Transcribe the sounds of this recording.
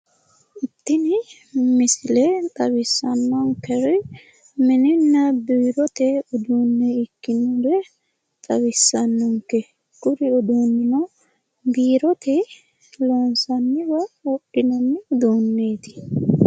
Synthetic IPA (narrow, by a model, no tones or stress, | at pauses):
ʊt̪ːɪnɪ | mɪsɪlet̪ʼɐbɪsːɐnːɔŋkɛɾɪ | mɪnɪnːɐbiːɾɔt̪ɛʊd̪uːnːɛɪkːɪnʊɾɛ | t̪ʼɐβɪsːɐnːɔŋkːɛ | ɡ̥ʊɾɪɔd̪uːnːɪnɔ | biːɾɔt̪ɛ | loːnsɐnːɪbɐwɔɗɪnɐnːɪd̪oːnːeːt̪ɪ̥